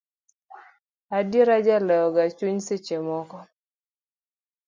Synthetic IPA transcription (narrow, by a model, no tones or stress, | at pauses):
adiɾad͡ʒalɛɔɡat͡ʃuɲset͡ʃemɔkɔ